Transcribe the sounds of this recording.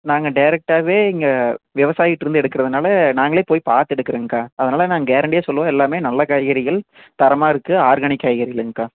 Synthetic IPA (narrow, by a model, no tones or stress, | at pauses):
naːŋɡɐɖɐɪɾɛk̚ʈaːʋeːɪŋɡɐʋɪʋɐsaːjɪʈːɪɾɯnd̪ɛɽɯkːɪɾɐðɯnaːlɐnaːŋɡɐɭeːpoːjpaːɾt̪ɛɽɯkːɪɾeːŋɡɐkaːɐðɐnaːlɐnaːŋɡɐeːɾɐɳɖjaːsɔlːɐʋõːɛlːaːmeːnɐlːɐkɐjɐɣɐɾɪɣɐɭ | t̪ɐɾɐmaːɪɾɯkːɯaːɾɣɐɳɪkːaːjɣɐɾɪɣɐɭɛŋɡɐkːaː